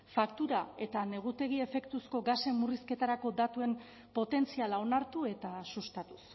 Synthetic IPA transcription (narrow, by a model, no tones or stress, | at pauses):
fakt̪uɾae̞t̪ane̞ɣ̞ut̪e̞ɣ̞ie̞fe̞kt̪usko̞ɡase̞muriske̞t̪aɾako̞d̪at̪ue̞m | po̞t̪e̞nt͡sialao̞naɾt̪ue̞t̪asust̪at̪u̥s